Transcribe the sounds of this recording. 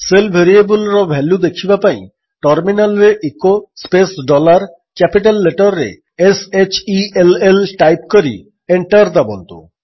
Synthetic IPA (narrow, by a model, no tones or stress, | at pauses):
selbʱeɾiebulɾabʱɛlud̪ekʰibapaj̃ | ʈaɾminalɾeʔekospesɖɔlaɾ | kɛpiʈalːeʈaɾːḛ | eset͡ɕielelʈajpkoɾḭ | eɳʈaɾd̪abɔ̰nt̪o̰